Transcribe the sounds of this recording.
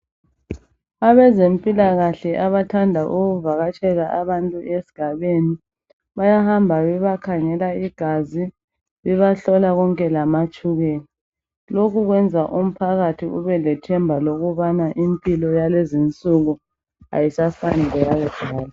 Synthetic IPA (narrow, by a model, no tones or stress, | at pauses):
aβɛzempʼilaɣaɬɛʔaβatʰandʱaʔuɣuvaɣat͡ʃʼɛɣaʔaβantʼuesi̥ɡ̥ʱaβeni | βajahambʱaβɛβakʰaŋɛlaiɡ̥ʱazi | βɛβaɬɔlaɣɔŋkʼɛlamat͡ʃʼuɣeːni | lokʰuɣwɛnd͡zʱaʔum̩pʰaɣatʰiṵβɛlɛtʰɛmbʱaloɣuβanaʔimpʼilɔjalezint͡sʼuɣu | a̰jisafanɛlɛɣaɣɛɡ̥ʱaːla